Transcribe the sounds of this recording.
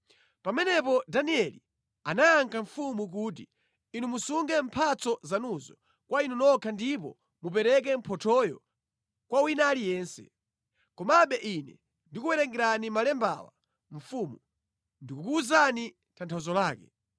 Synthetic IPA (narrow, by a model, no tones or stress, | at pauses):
pamɛnɛpɔdaniɛlḭ | anaːŋkʰaɱfumuk̬uːti | inumusuŋɡɛmpʰat͡sɔzanuzɔ | kwainunɔkʰandipɔ̰ | mupɛɾɛk̬ɛm̩pʰɔtʰɔjɔ | kwawinalijɛːnsɛ̰ | kɔmaɓɛʔinɛ | ndikuwɛɾɛŋɡɛɾanimalɛmba̰wa | ɱ̩fumu | ndikukuːzani | tʰantʰauzɔlaːkɛ